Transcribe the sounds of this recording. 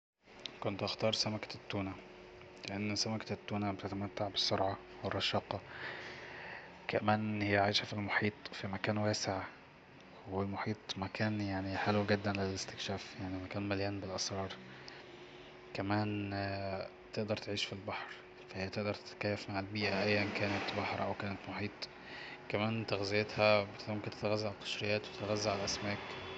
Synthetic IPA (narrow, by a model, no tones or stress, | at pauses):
kont̪ʔɑxt̪ɑːɾˤsæmækæ̥t̪ːuːnæ | leʔænːsæmækæt̪ːuːnæbt̪æt̪æmæt̪ːaʕbesːoɾˤʕɑ | werˤːɑʃɑːqɑ | kæmæːnʔnhejːæʕaːjʃæfilmoħiːt̪ˤfimækæːnwæːseʕ | welmoħiːt̪ˤmækæːnjaʕniħelwɡɪd̪ːænlelest̪e̥kʃæːfjaʕnimækæːnmæljæːnbelʔɑsɾˤɑːɾˤ | kæmæːn | t̪eʔd̪ɑɾˤt̪eʕiːʃfilbɑħɾ | fæhɪjːæt̪eʔd̪ɑɾˤt̪et̪æ̥kæjːæfmaʕelbiːʔæʔæjːænkæːnæt̪bɑħɾʔæwkæːnæt̪moħiːt̪ˤ | kːæmæːnt̪æɣzejet̪hæbet̪momkent̪et̪æɣæzːæʕalqɑ̥ʃɾejæːt̪wet̪t̪ɣæzːæʕalʔæsmæːk